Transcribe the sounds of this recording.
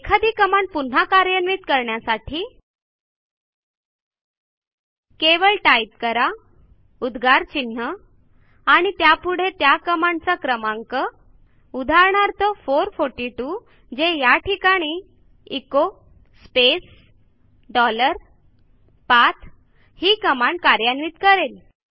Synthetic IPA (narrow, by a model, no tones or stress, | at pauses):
ekʰad̪iːkəmaɳpun̤akaɾjənʋiːt̪kəɾɳjasaʈʰiː | keʋəlʈaip̚kəɾa | ud̪ɡʱaɾt͡ɕin̤ːə | aɽ̃it̪japuɽ̤et̪jakəmant͡sakɾəmãŋkə | ud̪ʱaɾɳaɾt̪əfoɾfoɾʈiʈu | d͡ʑejaʈʰikaɽ̃i | iko | spes | ɖɔləɾ | pat̪ʰ | hiːkəmaɳkaɾjanʋiːt̪kəɾel